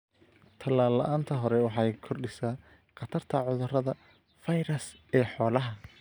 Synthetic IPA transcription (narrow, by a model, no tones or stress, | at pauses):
t̪ʰɐlaːlːɐʔaːnt̪ʰɐɦɔɾɛwɑħɑjkʰɔrɖɪsaː | qɑt̪ʰɐrt̪ʰɐʕʊðʊrɐðɐ | fɐjɾɐs | ɛːħɔːlɐɦɐ